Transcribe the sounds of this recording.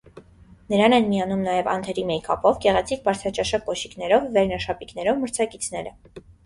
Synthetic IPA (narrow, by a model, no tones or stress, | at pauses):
nəɾɑnɛnmijɑnumnɑjɛvɑ̰nt̪ʰɛɾimɛjkʰɑ̰pɔvɡɛʁɛt͡sʰik̚bɑɾt͡sʰɑt͡ʃɑʃɑkːɔʃiknɛɾɔvːɛɾnɑʃɑpiknɛɾɔvməɾt͡sʰɑkit͡sʰn̪ɛɾə̰